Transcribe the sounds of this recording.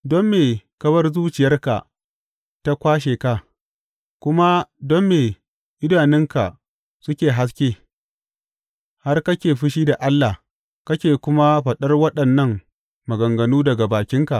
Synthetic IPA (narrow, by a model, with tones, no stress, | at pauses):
dɔ˦mːeː˨kɐ˦βɐ˦rzuː˦t͡ʃɪ˨jɐ˦rka̰˨ | ta˦kʷaː˦ʃ̬eː˨ka˦ | kʷʊ˦ma˦dɔ˦mːeː˨ | ʔɪ˦daː˨nɪ˦ŋka˨ | sʊ˦kʲeː˨ɦa˦s̬kʲeː˦ | ha˦rkɐ˦kʲeː˨ɸɪ˦ʃiː˦da˨ʔa˦lːa˨ | kɐ˦kʲeː˨kʷʊ˦ma˦ɸɐ˨ɗɐ˦rwɐ˦ɗɐ˨nːɐ˦ŋ | mɐ˨ɡɐ˨ŋɡɐ˨nuː˦dɐ˨ɡa˨baː˨kʲɪ˦ŋka˨ʔ